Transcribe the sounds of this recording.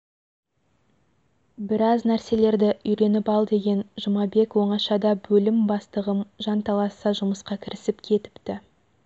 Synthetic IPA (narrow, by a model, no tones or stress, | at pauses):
bɪɾɑznæɾse̞le̞ɾd̪ɪʔʏjɾe̞nɪpɑlˠd̪e̞ɡʲe̞nʒəmɑbe̞kwo̞ɴɑʃɑd̪ɑbɵlɪmbɑst̪əʁəmʒɑnt̪ʰɑlˠɑsɑʒʊməsqɑkʲʰɪɾɪsɪpkʲʰe̞t̪ɪ̥pt̪ɪ